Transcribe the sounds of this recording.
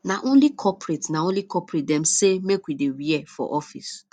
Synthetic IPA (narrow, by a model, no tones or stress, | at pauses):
naʔõnlikʰɔpɾetnaõnlikʰɔpɾet̚dɛ̃msemekwidewiɛfɔ̰ʔɔfḭs